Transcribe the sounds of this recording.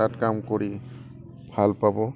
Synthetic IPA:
atkamkoɹi | bʱalpabɔ

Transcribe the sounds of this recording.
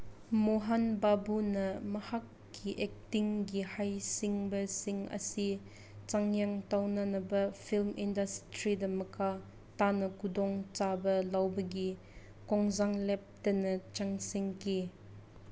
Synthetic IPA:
moɦɐnbabunɐmɐhakːiʔɛk̚tiŋɡihɐjsiŋbɐsiŋɐ̰si | t͡ʃaŋjaŋtawnɐnɐbɐfʰilmʔindɐstɾidɐmɐkʰa | tanɐkudɔŋt͡ʃabɐlɐwbɐɡi | kɔŋzaŋlɛp̚tɐnɐt͡ʃaŋsiŋki

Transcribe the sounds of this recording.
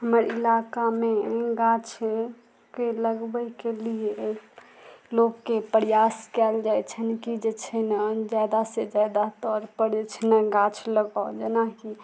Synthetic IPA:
ɦəməɾilakameɡãt͡ʃʰ | keləɡbəjkelie | lokːepəɾijaskɛld͡ʒajt͡ʃʰənkid͡ʒet͡ʃʰənad͡ʒad̪ased͡ʒad̪at̪ɔɾpəɾd͡ʒet͡ʃʰənəɡãt͡ʃʰləɡad͡ʒenaki

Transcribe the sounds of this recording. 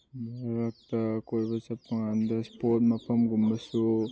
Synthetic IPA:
baɾak̚t̪akoɾbasapaŋand̪aspot̚mapʰamɡumbasu

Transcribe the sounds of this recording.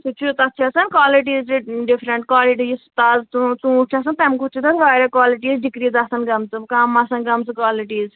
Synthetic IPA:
sʰut͡ʃʰut̪ɐt͡ʃʰasɐnkwaːliʈ̬iːzt͡ʃiɖipʰɾeɳʈkaːliʈist̪azt͡s̪ũt͡sũut͡ʃʰas̬ɐnt̪ɐmkut͡ʃʰit̪ɐnʋaːɾɐkwaːliʈiːzɖikɾizasɐnɡɐmt͡sɨkamasɐnɡɐmt͡sɨkwaːliʈiːz

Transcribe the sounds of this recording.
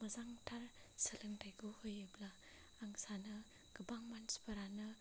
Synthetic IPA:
mɐzaŋtʰaɾ | səlɯŋtajɡuhɯjɯblaː | ŋsanɯ | ɡ̥ɯbaŋmanspɐɾanɯ

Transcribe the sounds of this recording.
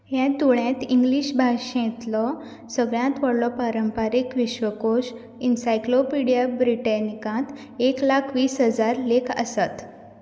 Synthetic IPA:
ɦjãt̪uɭjẽt̪iŋɡliɕbʱaɕt̪lɔ | səɡɭjãt̪ʋəɽlɔpaɾəmpaɾikʋiɕʋəkoɕ | insajklopiɽijabɾiʈanikãt̪ | eklakʰʋiːsɦəd͡zaɾlekʰə̰sat̪

